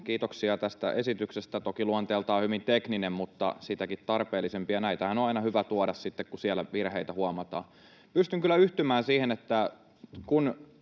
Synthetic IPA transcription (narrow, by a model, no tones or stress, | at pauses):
kiːt̪oksiɑt̪æst̪æ̰ʔesit̪yksest̪æt̪okiluɑnt̪eːlt̪ɑːhyʋint̪ekninemmut̪ːɑ̰sit̪ækit̪t̪ɑrpeːlːˑisempiɑnæit̪æhænoɑinɑhyʋæt̪uɑdɑssit̪ːekkusiælæʋirheit̪æhuɑmɑt̪ɑ̰ː | pyst̪yŋkylːˑæyht̪ymæːnsiːhenet̪ːæ | kun